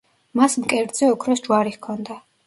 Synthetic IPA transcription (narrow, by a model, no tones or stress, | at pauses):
masmkʼɛɾd̪z̥ɛɔkʰɾɔsd͡ʒwaɾihkʰɔnd̪a